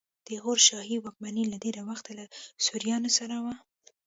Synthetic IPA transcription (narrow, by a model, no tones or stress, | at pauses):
d̪̥əɣoɾʃɑhiwɑk̚maniladeɾawaxt̪alasuɾjɑnosaɾawa